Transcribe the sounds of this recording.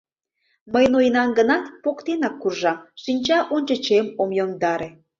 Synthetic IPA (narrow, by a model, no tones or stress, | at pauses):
məjnojnɑnɡənɑt̪pokt̪enɑkːurʒɑmʃinʲt͡ɕɑʔonʲt͡ɕə̆t͡ɕemomjoŋd̪ɑɾe